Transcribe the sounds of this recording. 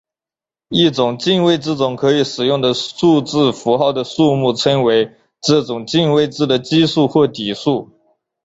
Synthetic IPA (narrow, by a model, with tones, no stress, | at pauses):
i˥˩ʈ͡ʂʊ˨˩ŋt͡ɕi˥˧nwe˥˧ɪʈ͡ʂɻ̩˥˩t͡sʊ˨˩ŋkʰɤ˧˥i˨˩ʂɻ̩˨˩jʊ˥˩ŋd̪ə˩ʂu˥˧ʈ͡ʂɹɻ̩˥˩fu˧˥xɑ˥˩ʊd̪ə˩ʂu˥˧mu˥˩ʈ͡ʂʰɤ˥ŋwe˧˥ɪ | ʈ͡ʂɤ˥˩ʈ͡ʂʊ˨˩ŋt͡ɕi˥˧nwe˥˧ɪʈ͡ʂɻ̩˥˩d̪ə˨˩t͡ɕi˥ʂu˥˧xwɔ˥˩t̪i˨˩ʂu˥˩